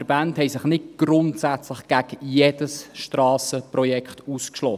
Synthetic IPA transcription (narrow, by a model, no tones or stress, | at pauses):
ɾbænthɛjsɪχnɪt̚ɡ̥ɾʊntsæt͡slɪχɡ̥æɡjed̥əsʃtɾɑːsəprɔjɛkχtuːskʃlɔ